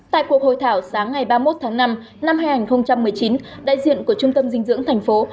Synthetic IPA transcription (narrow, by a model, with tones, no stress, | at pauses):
t̪a̰ː˧˨jku˨˩ək̚ho̰˧˨jt̪ʰaː˧˩wsaː˨˦ŋːa˨˩jɓaː˧mo˦˥t̚t̪ʰaː˨˦ŋna˧m | na˧mhaː˧jŋaː˨˩nxə˧wŋ͡mt͡ɕa˧mːɨ˨˩əjt͡ɕi˨˦nɗa̰ː˧˨jzḭ˧˨ənku˧˩ət͡ɕʊ˧ŋ͡mt̪ə˧mzï˧ŋ̟zɨ̰˧˥əŋt̪ʰɛ˨˩jŋ̟fo˨˦